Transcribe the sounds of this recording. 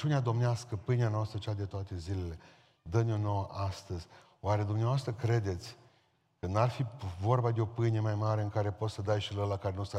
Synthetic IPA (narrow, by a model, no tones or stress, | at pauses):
t͡ʃunead̪o̞mneaskəpɨjneanoast̪ɾət͡ʃad̪et̪oat̪e̞zile̞le̞ | d̪əno̞no̞wəʔast̪əz̥ʲ | oaɾe̞d̪umneavoast̪ɾəkɾe̞d̪e̞t̪sʲ | kənarfivo̞rbad̪eo̞pɨjne̞majmaɾe̞ɨŋkaɾe̞po̞t̪səd̪ajʃiləlakaɾenusa